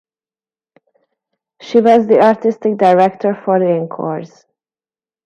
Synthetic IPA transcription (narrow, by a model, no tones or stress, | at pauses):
ʃiwɔzd̪iaɹt̪ɪst̪ɪk̚daɪɹɛkt̪ʰɔɹfɔɹðɪ̃ŋkʰɔ̰ɹs